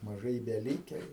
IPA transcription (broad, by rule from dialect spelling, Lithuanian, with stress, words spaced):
mɐˈʒɐɪ ɪ bʲɛˈlʲiːkʲɛ juː